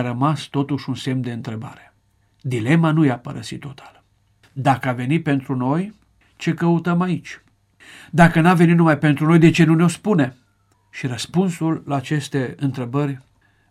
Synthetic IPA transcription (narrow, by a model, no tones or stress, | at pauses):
ɾəmast̪o̞t̪uʃunse̞md̪e̞ɨnt̪ɾe̞ba̰ɾe̞̥ | d̪ile̞manujapəɾəsit̪ːo̞t̪ʰḁl | d̪akəave̞nit̪̚pe̞nt̪ɾuno̞j | t͡ʃe̞kəut̪əmait͡ʃʲ | d̪akənave̞nit̪numajpe̞nt̪ɾuno̞jd̪e̞t͡ʃe̞nuneo̞spune̞ | ʃiɾəspunsulːaːt͡ʃe̞st̪e̞ɨnt̪ɾe̞bərʲ